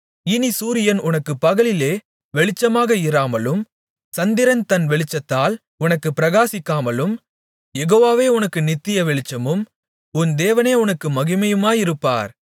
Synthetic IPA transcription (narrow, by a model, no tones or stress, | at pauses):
ɪnisuːɾɪjɐnʊnɐkːɯpːɐɣɐɭɪleː | ʋɛɭɪt͡ʃːɐmaːɣɐɪɾaːmɐlɯm | sɐnd̪ɪɾɐnt̪ɐnʋɛɭɪt͡ʃːɐt̪ːaːl | ʊnɐkːɯpːɪɾɐɣaːsɪkːaːmɐlɯm | jɛɣoːʋaːʋeːʊnɐkːɯnɪt̪ːɪjɐʋɛɭɪt͡ʃːɐmɯm | ʊnd̪eːʋɐneːʊnɐkːɯmɐɣɪmɐjɯmaːjɪɾɯpːa̰ːɾ